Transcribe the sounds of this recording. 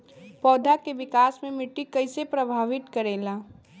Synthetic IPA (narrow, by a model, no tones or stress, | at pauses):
pɔːd̪ʱakeʋɪkaːsmẽmɪʈːikɐɪsepɾɐbʱaːʋɪt̪kɐɾeːlaː